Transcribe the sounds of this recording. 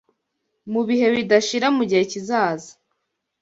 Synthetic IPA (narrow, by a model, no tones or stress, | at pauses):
muβihe̞βidaʃiɾamuɟihe̞cizaːza